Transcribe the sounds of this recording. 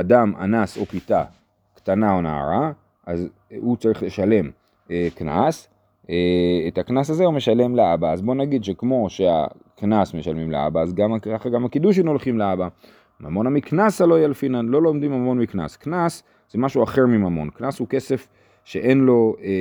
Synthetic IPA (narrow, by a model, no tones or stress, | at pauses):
adamʔa̰naso̞pita | kt̪anao̞na̰a̰ʁa | ʔaz | ut͡saʁiχle̞ʃale̞m | ekna̰s | eetaknas̬azeume̞ʃale̞mleabaːzbo̞naɡid̪ʃe̞kmo̞ʃe̞a̰ | knasme̞ʃalmimlḛa̰baːzɡamaχaɡamakid̪uʃ̬imno̞lχimleaba | mamo̞namiknasalo̞ijelefinanlo̞lo̞mdimamo̞nmikna̰sknas | z̥emaʃuaχe̞ʁmimamo̞nknashuke̞se̞f | ʃe̞ʔe̞nlo̞e